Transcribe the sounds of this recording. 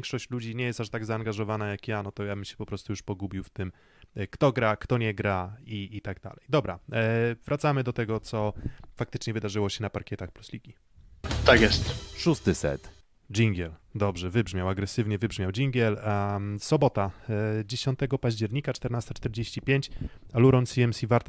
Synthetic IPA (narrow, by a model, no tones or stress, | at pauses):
ŋkʂɔɕt͡ɕlud͡ʑiɲɛjɛst̪aʂt̪aɡzaːŋɡaʐɔvanajakjanɔt̪ɔjabɘmɕɛ̥pɔpɾɔst̪ujuʂpɔɡubʲiwft̪ɘm | kt̪ɔɡɾakt̪ɔɲɛɡɾaiːt̪aɡd̪a̰lɛjd̪ɔbɾavɾʔat̪samɘd̪ɔt̪ɛɡɔt̪sɔfak̚t̪ɘt͡ʂɲɛvɘd̪aʐɘwɔɕɛnapaɾkʲɛt̪axpluslʲiɡʲi | t̪akjɛst̪ʂust̪ɘsɛ̰t̪ | d͡ʑiŋɡʲjɛld̪ɔbʐɛvɘbʐmʲawaɡɾɛsɘvɲɛvɘbʐmʲjawd͡ʑiŋɡʲjɛlsɔbɔt̪ad͡ʑeɕɔnt̪ɛɡɔpaʑd͡ʑɛɾɲikat͡ʂt̪ɛɾnast̪at͡ʂt̪ɛɾd͡ʑeɕt͡ɕipʲjeɲt͡ɕaluɾɔnt̪siɛmsʲivaɾt̪